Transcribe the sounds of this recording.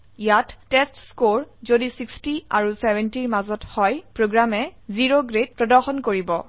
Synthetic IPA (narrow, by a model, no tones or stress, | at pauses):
jatːɛstskoɹzodisikstia̰ɹusɛbɛntiɹmazɔthɔjpɹoɡɹamɛziɹoɡɹed̚pɹɔdɔɹxɔnkoɹibɔ